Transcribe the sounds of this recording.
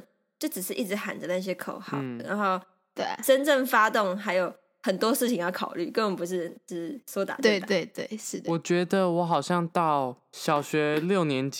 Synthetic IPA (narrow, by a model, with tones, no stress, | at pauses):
t͡ɕjo˥˩ʊʈ͡ʂ̩˨˩ʂɻ̩˥˧ʔi˥˩ʈ͡ʂɻ̩˧˥xa̰˨˩nd͡zə˦na˥˩ɕ̬jɛ˧˥kʰo̰˨˩ʊxɑ̰˨˦˥ʊ˩na̰˧˦ŋxo˥˩ʊ | t̪we˥˩ʈ͡ʂə˦˥nʈ͡ʂə˥˩ŋfa˥t̪ʊ˥˨ŋɦa˧˥ɪjo˨˩ʊ | xə˨˩nt̪wɔ˦˥ʂɻ̩˥˩t͡ɕʰi˨ŋjɑ˥˩ʊkʰɑ̰˨˩ʊly̰˥˩kə˥˩n˨˩p̬u˧ʂ̬ɻ̩˥˩˧sɔ˦˥t̪a̰˨t̪we˥˩t̪we˥˩ɪt̪we˥˩ɪʂɻ̩˥˩wɔ˨˩t͡ɕɥɛ˧˥d̪ə˧wɔ˧˦xɑ˨˩ʊɕjɑ˥˧ŋt̪ɑ˥˩ʊ | ɕjɑ˨˩ʊɕɥɛ˧˥ljo˥˨˩ʊnjɛ˧˦nt͡ɕ